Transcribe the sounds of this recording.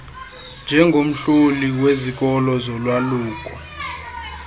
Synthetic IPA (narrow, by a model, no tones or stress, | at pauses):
nd͡ʒʱɛŋɡʱom̩ɬuliwezik̬ɔlɔzɔlwaluːkʼɔ